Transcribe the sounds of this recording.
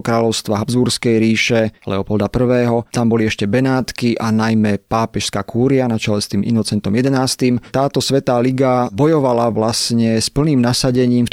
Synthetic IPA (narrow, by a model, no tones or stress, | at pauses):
kɾaːlɔʊst̪ʋaɦabzbuɾskɛjɾiːʃɛlɛ̰ɔpɔld̪apr̩ʋɛːɦɔt̪ambɔliɛʃcɛbɛnaːt̪kiʔanajmɛpaːpɛʃskaːkʰuːɾianat͡ʃalɛst̪iːmḭnɔt͡sɛnt̪ɔmjɛd̪ɛnaːst̪imt̪aːt̪ɔsʋɛt̪aːliɡabɔjɔʋalaʋlasɲɛspl̩niːmnasaɟɛɲiːmf